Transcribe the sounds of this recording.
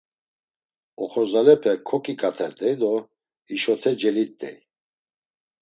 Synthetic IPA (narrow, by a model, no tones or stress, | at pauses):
ɔχɔzalɛpʰɛkʰɔkʼikʼat̪ʰɛɾt̪ʼɛjd̪ɔ | iʃɔt̪ʰɛd͡ʒɛlit̪ʼːɛ̰